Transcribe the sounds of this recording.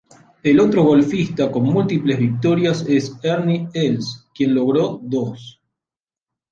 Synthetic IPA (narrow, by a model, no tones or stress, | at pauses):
elo̞t̪ɾoɣo̞lfist̪ako̞nmult̪iplezβik̚t̪o̞ɾjaseseɾnielskje̞nlo̞ɣɾod̪os